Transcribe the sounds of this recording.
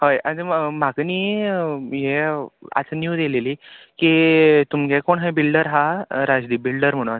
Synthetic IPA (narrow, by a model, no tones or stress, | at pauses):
ɦojad͡zmakniː | jea̰t͡snjud̪eleliːkit̪umɡɛ̃koɳɦabilɖəɾɦaɾad͡zd̪iːbilɖəɾm̤əɽ̃a